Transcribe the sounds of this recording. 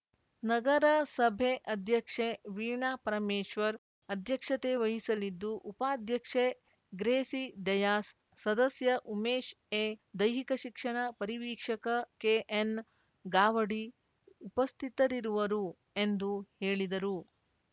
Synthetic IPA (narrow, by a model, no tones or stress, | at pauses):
nɐɡɐɾɐsɐbʱeʔɐd̪ʱjɐkʂeʋiːɳaːpɐɾɐmeːʃʋɐɾ | ɐd̪ʱjɐkʂɐt̪eʋɐɦisɐlid̪ːuʔupaːd̪ʱjɐkʂe | ɡɾeːsid̪ɐjaːsː | ɐd̪ɐsjɐʔumeːʃ | ed̪ɐjɦikɐʃikʂɐɳɐpɐɾiʋiːkʂɐkɐkeːʔen | ɡaːʋɐɽi | upɐst̪ʰit̪ɐɾiɾuʋɐɾu | end̪uheːɭid̪ɐɾu